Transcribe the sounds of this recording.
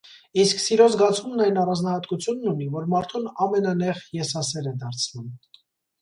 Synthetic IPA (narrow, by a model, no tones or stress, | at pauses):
isksiɾɔzɡɑt͡sʰumnɑjnɑrɑnd͡znɑhɑt̪kut͡sʰjunːunivɔɾmɑɾt̪ʰunɑmɛnɑnɛʁjɛsɑsɛɾɛd̪ɑɾt͡sʰnum